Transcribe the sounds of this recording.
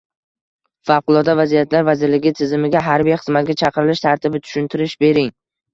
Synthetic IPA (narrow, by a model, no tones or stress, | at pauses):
fawqʊlˠɒd̪avazijat̪ʰlaɾvazɪɾlɪɡʲɪt̪ʰɪzɪmɪɡʲaɦaɾbijχɨzmat̪̚ɡʲat͡ʃʰɑqɨɾɪlɪʃt̪ʰaɾt̪ʰɪbɪt̪ʰʊ̥ʃʊnt̪ʰɪɾɪʃbe̞ɾɪŋ